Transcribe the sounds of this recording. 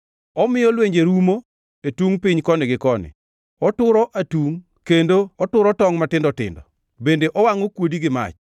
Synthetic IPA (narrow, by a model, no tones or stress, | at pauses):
ɔmɪjɔlweɲd͡ʒeɾumo | etuŋpɪɲkɔnɪɡɪkɔnɪ̰ | ɔtʊɾɔʔatuŋ | kendoɔtʊɾɔtɔŋmatɪndɔtɪ̰ndɔ | bendeʔɔwaŋɔkwodiɡɪma̰t͡ʃ